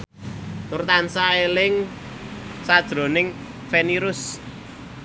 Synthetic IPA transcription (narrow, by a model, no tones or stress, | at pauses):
t̪ʊrt̪ansaelɪŋ | sad̥ʒ̥ɾo̤nɪŋ | feniɾʊs